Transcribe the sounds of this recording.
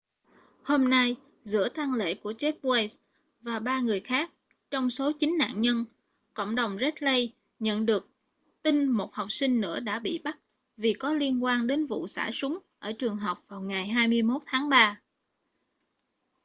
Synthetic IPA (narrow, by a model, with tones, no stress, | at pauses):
ho˧mna˧j | zɨ̰˧˥ət̪a˧ŋlḛ˧˨ku˧˩ət͡ɕɛ˦˥p̚we˧js | vaː˨˩ɓaː˧ŋɨ˨˩əjxaː˦˥k̚ | t͡ɕɔ˧wŋ͡mso˨˦t͡ɕï˨˦ŋ̟na̰ː˧˨nɲə˧n | kə̰˧˨wŋ͡mɗə˨˩wŋ͡mzə˦˥t̚lə˧j | ɲə̰˧˨nɗɨ˨˩ək̚ | t̪ï˧nmo˨˩t̚ha˨˩wk͡p̚sï˧ŋ̟nɨ̰˧˥əɗa̰ː˧˥ɓḭ˧˨ɓa˦˥t̚ | vi˨˩kɔ˨˦li˧ənkwaː˧nɗe˨˦nvṵ˧˨sa̰ː˧˩sʊ˨˦ŋ͡mʔəː˧˩t͡ɕɨ˨˩əŋɦa˨˩wk͡p̚vaː˨˩wŋaː˨˩jɦaː˧jmɨ˧əjmo˦˥t̚t̪ʰaː˨˦ŋɓaː˧